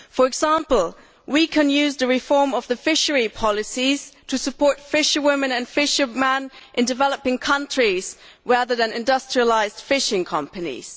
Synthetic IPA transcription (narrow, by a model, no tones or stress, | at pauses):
fə˞ɨɡz̥æ̃mpl̩ˠ | wikʰɨ̃njʉzðɨɹɪfɔɹmʌvðɨfɪʃə˞ipʰɑlˠɨsiz̥tʰɨsɨpʰɔɹtfɪʃəwɪ̃mɨ̃nɨ̃nfɪʃə˞mɛ̃nʔɨ̃ndɨvɛlˠəpɪ̃ŋkʰʌ̃nt͡ʃɹ̥iz̥ | ɹæðə˞ðɨ̃nɪ̃ndʌstɹ̥iəlaɪzd̥fɪʃɪ̃ŋkʰʌ̃mpɨnḭz̥